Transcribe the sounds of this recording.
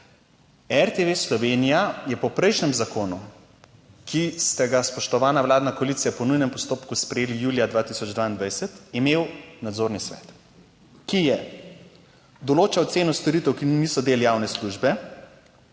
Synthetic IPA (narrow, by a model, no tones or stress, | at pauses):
ɛɾt̪eʋeslɔʋenijajɛpɔpɾɛjʃnɛmzakoːnu | kist̪ɛɡaspɔʃt̪ɔʋaːnaʋlaːd̪nakɔalit̪sijapɔnujnɛmpɔst̪oːpkuspɾɛjeːlijuːlijad̪ʋaːt̪isɔd͡ʒd̪vʋaːind̪ʋajsɛt̪imeːwnad̪zoɾnisʋɛ̰t̪ | kijɛ | d̪ɔloːt͡ʃaɔt̪seːnɔst̪ɔɾit̪ɛwkinisɔd̪eːlijaːwnɛsluʒbɛ